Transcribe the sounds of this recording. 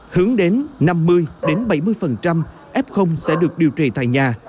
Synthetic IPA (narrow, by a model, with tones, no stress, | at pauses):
hɨ˨˦əŋɗe˨˦nna˧mːɨ˧əjɗe˨˦nɓə˧˩jmɨ˧əjfə˨˩nt͡ɕa˧m | ʔɛ˦˥p̚xə˧wŋ͡msɛ̰˧˥ɗɨ˨˩ək̚ɗi˨˩əwt͡ɕi˨˩t̪a̰ː˧˨jɲaː˨˩